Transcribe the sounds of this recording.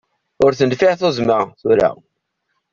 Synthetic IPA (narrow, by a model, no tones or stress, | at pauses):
ʊɾθənd̪fiθozmæθuɾæ̰